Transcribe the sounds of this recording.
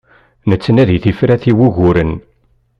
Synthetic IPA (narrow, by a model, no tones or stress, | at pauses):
nət͡sːənæðiθifɾæθiwuʝʊɾən